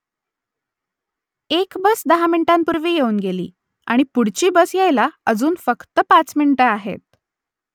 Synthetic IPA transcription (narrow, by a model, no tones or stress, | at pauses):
ekbəsd̪əɦamiɳʈampuɾʋiːjeuːnɡelḭː | a̰ɽ̃ipuɽt͡ɕiːbəsjajlaəd͡zuːnfəkt̪əpat͡smiɳʈəaɦḛt̪̚